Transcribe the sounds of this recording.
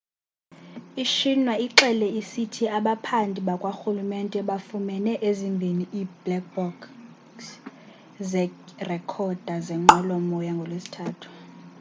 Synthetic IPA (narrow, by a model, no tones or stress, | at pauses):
iʃinwaiǁɛlɛisitʰiaɓapʰandʱʼiɓakʼwaxulumɛntʼɛɓafumɛnɛʔezimbʱiniʔib̥lɛk̚bɔk | s | zɛrɛkʰɔd̥ʱazɛŋ͡ǃɔlɔmɔjaŋɡʱɔlwesi̥tʰaːtʰu̥